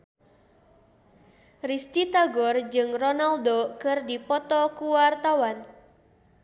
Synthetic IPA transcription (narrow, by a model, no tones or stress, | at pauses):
rist̪it̪aɡɔrd͡ʒɨŋrɔnaldokɨrdipɔt̪ɔkuwart̪awan